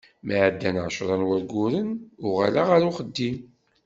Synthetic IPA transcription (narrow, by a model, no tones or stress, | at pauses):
məʕəd̪ːænʕʃɾˤɑnwæɾɡʊɾənʊʁa̰laʁaɾuχəd̪ːim